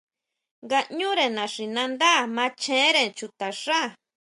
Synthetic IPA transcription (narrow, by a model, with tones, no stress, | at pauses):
ŋɡa˧ʔɲũ˦ɾe˨nã˨ʂi˨nã˧nd̪a˦˨mã˧˦t͡ʃẽ˦ɾe˧t͡ʃu˧t̪a˨ʂa˦˨